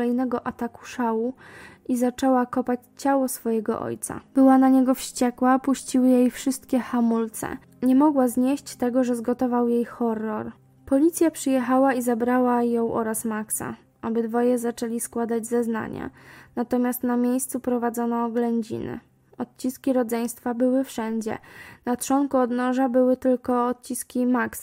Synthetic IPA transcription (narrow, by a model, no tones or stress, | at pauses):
ɛjnɛɡɔʔat̪aku̥ʂawuʔizat͡ʂɛwakɔpat͡ɕt͡ɕawɔsfɔjɛɡɔ̰ʔɔ̰jt̪sa̰b̥ɘwanaɲɛɡɔfɕt͡ɕɛkwapuɕt͡ɕiwɘjejfʂɘst̪kʲɛxamult̪sɛ̰ | ɲɛmɔɡwazɲeɕt͡ɕt̪ɛɡɔʐɛzɡɔt̪ɔvawjejxɔrːɔɾ | pɔlʲit̪sʲjapʂɘjɛxawaizabɾawajɔ̃w̃ʔɔɾasmaksa̰ | abɘd̪vɔjɛzat͡ʂɛlʲiskwad̪ad͡ʑzɛzna̰ɲa̰nat̪ɔmʲjast̪namʲjejst̪supɾɔvad̪zɔnɔːɡlɛɲd͡ʑḭnɘ̰ | ɔt̪̚t͡ɕiskʲiɾɔd̪zɛj̃st̪fabɘwɘfʂɛɲd͡ʑɛ̰nat̪ʂɔŋkuɔd̪nɔʐabɘwɘt̪ɘlkɔːt̪̚t͡ɕiskʲimaks